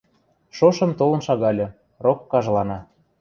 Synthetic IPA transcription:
ʃoʃɤ̆mt̪olɤ̆nʃɑɣɑlʲɤ̆ | rokːɑʒlˠɑnɑ

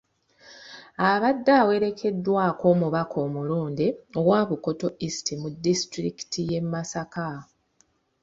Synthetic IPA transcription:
aβadːawe̞ɾe̞kʰe̞dːwaːko̞ːmuβakʰo̞ːmuluːndeowwaːβuko̞to̞ʔistimudːistɾiki̥tʰije̞mːasaka

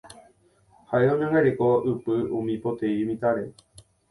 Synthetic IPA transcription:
haʔeõɲõŋɡaɾekoɨpɨũmĩpot̪eimĩt̪aɾe̞

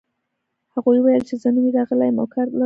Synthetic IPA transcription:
haɣujwajəlt͡ʃezəniɾɑɣəlajmo̰kʰaɾla

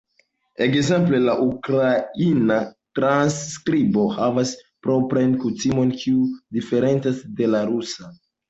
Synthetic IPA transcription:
e̞kze̞mple̞laʔukɾainatɾanskɾibo̞havas | pɾo̞pɾajnkutimo̞nkʰiudife̞ɾe̞nt͡sasde̞laɾusa

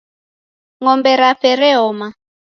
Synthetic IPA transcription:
ŋɔmbɛɾafɛɾɛɦɔma

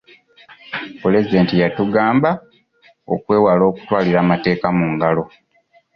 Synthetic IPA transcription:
pule̞zide̞ːntijatuɡaːmba | o̰kwe̞ːwalo̞ːku̥twaːliɾaːmate̞ːkamuːŋɡalo̞

